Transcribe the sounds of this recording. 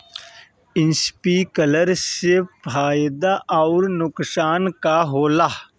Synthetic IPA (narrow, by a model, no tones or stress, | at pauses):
ɪnspiːkələɾsefaːjd̪aʔaːɾnʊksaːnkaɦoːlaː